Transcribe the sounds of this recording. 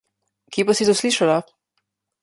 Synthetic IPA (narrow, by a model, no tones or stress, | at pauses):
kiːpasit̪osliʃala